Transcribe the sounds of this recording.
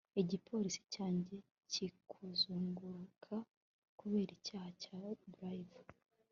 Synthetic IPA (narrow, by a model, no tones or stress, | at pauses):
eɟipʰo̞ːɾisi̥caːɲɟe̞ | cikʰuzuːŋɡuɾukʰa | kuβe̞ːɾicaːhacabɾajva